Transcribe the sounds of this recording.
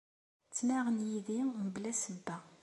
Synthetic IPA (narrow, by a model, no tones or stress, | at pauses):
t͡sːnaʁənjiðiməblæsəbːæ